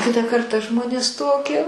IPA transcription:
ˈkʲɪtɑː ˈkɐrtɑː ˈʒmoːnʲeːs ˈtoːkʲiɛ

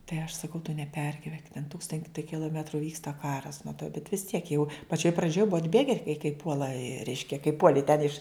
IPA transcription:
tɐɪ ɐʃ sɐˈkɐʊ tʊ nʲɛˈpʲɛrʲɡʲɪʋʲɛŋk tʲɛn ˈtuːkstɐnʲtʲɪ kʲɪlˠoːˈmʲæːtrʊ ˈʋʲiːkstɐ ˈkɑːrɐs nʊ tɐɪ bʲɛt ʋʲɪs ˈtʲiɛk jɛʊ pɐˈt͡ʃʲoːj prɐˈd͡ʒʲoːj ˈbʊɐ ɐdʲˈbʲeːɡʲɛ kɐ kɐɪ ˈpuɔlˠɐ ˈrʲɛɪʃʲkʲɛ kɐɪ ˈpuɔlʲɪ tʲɛn ɪʃ

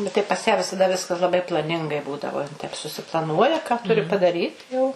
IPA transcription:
bʲɛt ˈtɐɪ pɐs jæː ʋʲɪsɐˈdɐ ˈʋʲɪskɐs lˠɐˈbɐɪ plˠɐˈnʲɪŋɡɐɪ ˈbuːdɐʋoː jɪn tɐɪp sʊsʲɪplˠɐˈnuɔjɛ kɐ ˈtʊrʲɪ pɐdɐˈrʲiːt jɛʊ

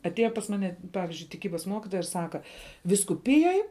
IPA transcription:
ɐtʲˈeːjɛ pɐs ˈmɑːnʲɛ ˈpɑːʋʲɪzʲd͡ʒʲʊɪ tʲɪˈkʲiːbɐs ˈmoːkʲɪtoːjɛ ɪr ˈsɑːkɐ ʋʲiːskʊˈpʲɪjoːj

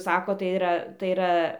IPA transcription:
ˈsɑːkoːt tɐɪ ɪˈrɐ tɐɪ ɪˈrɐ

